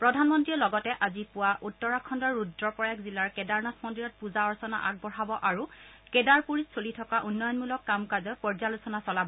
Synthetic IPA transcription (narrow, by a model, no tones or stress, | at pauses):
pɹɔdʱanmɔntɹiɔlɔɡɔtɛʔazipʊwaʔutːɔɹakʰːɔndɔɹudɹɔpɔjakzilaɹkɛdaɹnasmɔndiɹɔt̚puzaɔɹsɔna̰ʔa̰k̚bɔɹ̤abɔʔaɹukɛdaɹpuɹissolitʰɔkaʔunːɔjɔnmulɔkːamkazɔpɔɹzalusɔnasɔlabɔ